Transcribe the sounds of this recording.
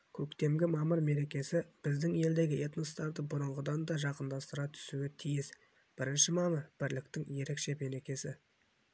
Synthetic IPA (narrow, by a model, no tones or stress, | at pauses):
kʲʰɵkt̪e̞mɡʲɪmɑməɾme̞ɾe̞kʲe̞sɪb̥ɪzd̪ɪŋe̞ld̪e̞ɡʲɪʔe̞t̪nost̪ɑɾd̪əbʊɾʊɴʁəd̪ɑnd̪ɑʒɑqənd̪ɑst̪əɾɑt̪ʰʏ̥suɡʲet̪ʰijɪs | b̥ɪɾɪnʃɪmɑməɾb̥ɪɾlɪkt̪ɪŋje̞ɾe̞kʃe̞me̞ɾe̞kʲe̞sɪ